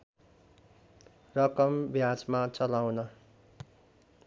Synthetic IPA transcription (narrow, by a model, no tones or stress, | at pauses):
rʌkʌmbjad͡zmat͡sʌlawnʌ